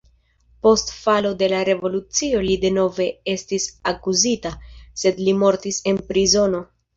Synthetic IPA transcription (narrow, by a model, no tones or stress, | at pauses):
po̞stfalo̞de̞laɾe̞vo̞lut͡sio̞lide̞no̞ve̞e̞stisakuzitase̞dlimo̞ɾtise̞npɾizo̞no̞